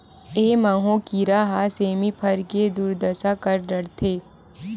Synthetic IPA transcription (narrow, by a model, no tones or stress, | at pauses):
eːmaːɦõkiɾaːɦaseːmipʰɐɾked̪uːɾd̪əsakəɾɖɐɽt̪ʰeː